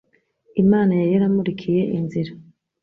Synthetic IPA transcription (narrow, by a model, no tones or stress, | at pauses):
imaːnajajaɾamuɾikʰije̞ʔinziɾa